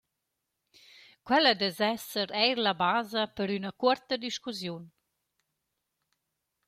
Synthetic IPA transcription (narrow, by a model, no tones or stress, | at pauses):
kwɛləd̪ɛzɛsəɾɛjɾlabaːzəpəɾynakuɾt̪əd̪iʃkuzjun